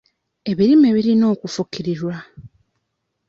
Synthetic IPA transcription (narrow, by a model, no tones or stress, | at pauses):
e̞βiɾime̞βiɾino̞ːkufukiɾiɾwa